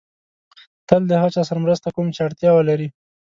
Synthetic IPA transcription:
t̪əld̪əhat͡ʃɑsaɾamɾəst̪akomt͡ʃɪaɽt̪jɑwalaɾi

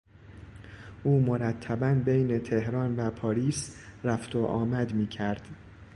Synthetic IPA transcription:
ʔuːmoɾæt̪ʰːæbænbejne̞t̪ʰe̞hɾɒːnvæpʰɒːɾiːsɾæft̪oʔɒ̰ːmæd̪miːcʰæɾd̪̥

